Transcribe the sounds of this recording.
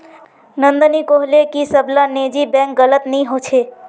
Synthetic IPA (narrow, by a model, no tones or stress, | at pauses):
nə̃nd̪ənikoɦlekisəblaned͡ʒibɛ̃ŋkɡələt̪nəĩɦot͡ʃʰe